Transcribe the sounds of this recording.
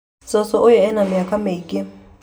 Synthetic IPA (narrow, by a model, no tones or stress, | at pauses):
t͡sʼɔsɔʔʊjɛɛnamɪjakʼamekʼɪ